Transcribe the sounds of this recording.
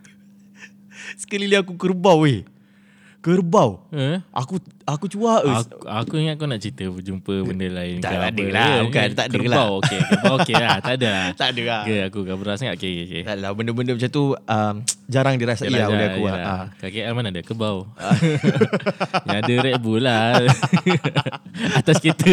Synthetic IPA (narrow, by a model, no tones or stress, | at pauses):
sə̥kaliləakukərbaweh | kərbawəʔa̰kuakut͡ʃuaʔəakuiŋakonaʔt͡ʃɾit̪əd͡ʒumpəbəndəlaɪnt̪aaadəlaokat̪adəklaaokebkelat̪adəlat̪adəklakəakukabəɾasaŋaʔkeket̪adlabəndəbəndəmat͡ʃamt̪uəmd͡ʒaɾaŋdiɾasaijadaakuaakakeʔamanadakəbawə | jãadəɾɛʔbula | at̪askit̪ə